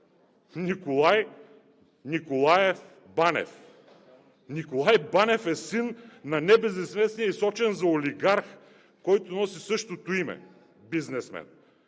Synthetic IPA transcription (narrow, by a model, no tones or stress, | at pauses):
nikolˠaj | nikolˠajɛf | banɛ̰f | nikolˠajbanɛfɛsinːɐnɛbɛznɛsmɛsnijɛisɔt͡ʃɛnzɐoliɡaɾx | kɔjt̪onɔsisɤʃt̪ot̪oimɛ̰ | biznɛsmɛ̰n